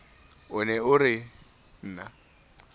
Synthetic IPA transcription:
ʊnɛʊɾɪ | n̩ːna

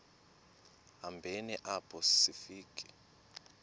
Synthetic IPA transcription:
ɦambʱeniʔapʰʼɔsifiːkʼi̥

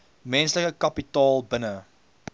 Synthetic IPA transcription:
mɛ̃nsləkəkɐpitɑːlˠbənə

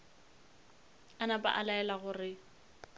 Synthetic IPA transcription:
anapa̰ʔalaɛlaɣʊrɪ

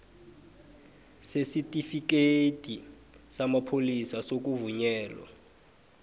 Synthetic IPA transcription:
sesitʼifik̬etʼi | samapʰolisasok̬uvuɲɛːlwa̰

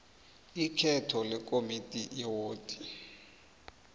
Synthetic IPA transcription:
ikʰɛtʰɔlɛk̬ʼomitʼijɛwoːtʼi̥

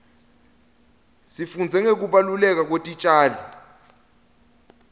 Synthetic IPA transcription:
sifund͡zʱɛŋek̬uɓalulɛk̬ak̬otʼit͡ʃʼaːli

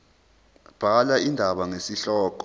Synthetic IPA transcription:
b̥ʱalaindʱaɓaŋesiɬɔːk̬ʼɔ

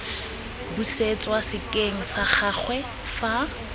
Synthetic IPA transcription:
buset͡sʼwasɪkʼeŋ̩sak͡xʰak͡xwɛ | fa

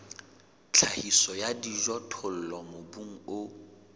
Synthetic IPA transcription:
t͡ɬʰahisɔjadiʒɔtʰʊl̩lɔmobuŋ̩ʊ

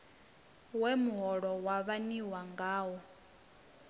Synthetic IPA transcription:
wɛmuɦɔɺɔwaβaniwaŋɡaːwɔ

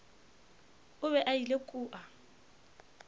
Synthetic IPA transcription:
ʊβɛʔailekʼuːʔa

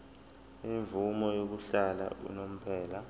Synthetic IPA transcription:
iɱvumɔjok̬uɬala̰ṵnom̩pʰɛːla

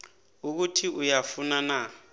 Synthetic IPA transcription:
uk̬utʰiujafunana

